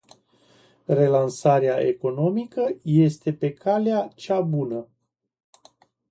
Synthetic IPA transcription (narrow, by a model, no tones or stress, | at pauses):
re̞lansaɾeaʔe̞ko̞no̞mikəje̞st̪e̞pe̞kʰaleat͡ʃabunə